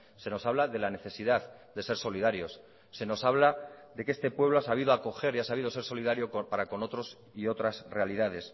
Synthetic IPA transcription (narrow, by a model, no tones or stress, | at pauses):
se̞no̞saβlaðe̞lane̞θe̞siðaðd̪e̞se̞ɾso̞liðaɾjo̞sː | e̞no̞saβ̞laðe̞ke̞st̪e̞pwe̞βlo̞asaβ̞iðoako̞xe̞ɾiasaβiðo̞se̞ɾso̞liðaɾjo̞kpaɾako̞no̞t̪ɾo̞s | io̞t̪ɾasre̞aliðað̞e̞s